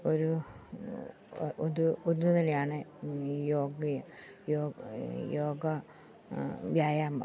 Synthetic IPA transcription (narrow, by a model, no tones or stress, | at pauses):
oɾu | oðuonːuunɐlejaːɳejoːɡɐ | joːjoːɡɐ | ʋjaːjaːmɐ̰